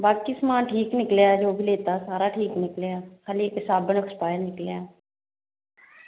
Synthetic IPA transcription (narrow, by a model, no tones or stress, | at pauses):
baːkiːsmãːnʈʰiːknɪkljaːd͡ʒoːbʱileːt̪aːsaːɾaːʈʰiːknɪkljaːkʰaːliːkɪsaːbənəkʰɾpaːjenɪkljaː